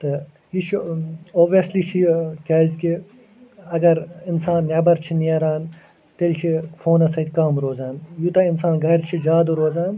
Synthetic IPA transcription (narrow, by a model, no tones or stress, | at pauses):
t̪ɨ | jiʃoːbʋijɐsliʃʰikʲaːzki | ɐɡɐɾɪnsaːnːebɐɾt͡ʃʰiniɐɾaːn | t̪eːlt͡ʃʰifʰoːnɐsɐt̪ʲkaːmɾoːzaːnjut̪ɐɪnsaːnɡɐɾt͡ʃʰid͡ʒaːd̪uɾoːzaːn